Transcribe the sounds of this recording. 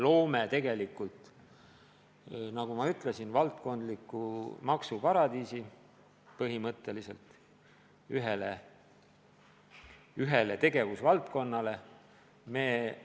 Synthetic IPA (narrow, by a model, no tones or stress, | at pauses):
lo̞ːmet̪e̞ɡe̞likːˑult̪ | nɑɡ̥umɑyt̪ˑle̞sinvɑlt̪ko̞nd̪̥likːˑumɑksupɑɾɑd̪iːsi | pɤɦimɤt̪ːˑe̞lise̞̰lt̪ | yɦele | yɦe̞let̪e̞ɡe̞vusvɑlt̪ko̞nːɑle̞ | me̞ː